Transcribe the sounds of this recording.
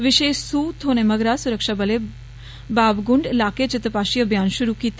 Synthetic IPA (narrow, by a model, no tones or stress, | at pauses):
ʋɪʃeːsuːt̪ʰoːnemɐɡɾaːsuɾəkʃabɐle | baːbɡuɳɖlaːket͡ʃɪt̪əpaːʃijəbʱjaːnʃuɾukiːt̪